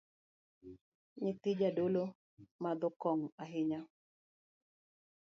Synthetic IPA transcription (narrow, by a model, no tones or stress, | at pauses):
ɲɪt̪ɪd͡ʒadolo | mad̪ɔkɔŋaɦɪɲa